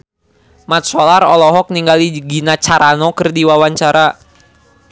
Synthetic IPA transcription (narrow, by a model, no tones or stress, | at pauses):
mat̪̚sɔlarɔlɔɦɔk̚niŋɡaliɡinat͡ʃaɾʔanɔkərdiwawaɲt͡ʃaɾa